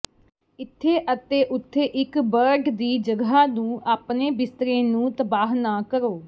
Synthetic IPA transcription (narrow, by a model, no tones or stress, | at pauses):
ɪt̪ʰːeːʔət̪eːʔʊt̪ʰːeːʔɪkbəɾɖd̪iːd͡ʒəɡɦaːnũːʔaːpneːbɪst̪ɾẽːnũːt̪əbaːɦnaːkəɾoː